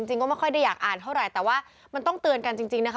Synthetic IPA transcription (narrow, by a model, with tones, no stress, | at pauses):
i˧ŋt͡ɕi˧ŋkɔː˥˩ma˥˩jkʰɔ˥˩jda˥˩jaː˨˩k̚ʔaː˨˩nt̪ʰa˥˩wɾa˨˩jt̪ɛː˨˩waː˥˩ | ma˧nt̪ɔ˥˩ŋt̪ɯ˧ənka˧nt͡ɕi˧ŋt͡ɕi˧ŋna˦˥kʰa˥